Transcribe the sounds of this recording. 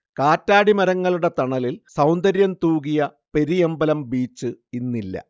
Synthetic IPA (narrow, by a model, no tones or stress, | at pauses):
kaːtːaːɽimɐɾɐŋːɐɭuɽe̞t̪ɐɳɐlilsɐwnd̪ɐɾjɐmt̪uːkijɐ | pe̞ɾijembɐlɐmbiːt͡ɕːɨinːilːɐ̰